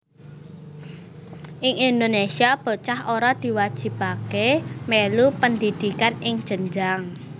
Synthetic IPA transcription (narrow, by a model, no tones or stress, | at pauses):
ʔɪŋind̪onesiab̥ə̤t͡ʃaɦoɾad̪̥i̤wad̥ʒ̥i̤pakemelupənd̪id̪̥i̤kanɪŋd̥ʒ̥ənd͡ʒaŋ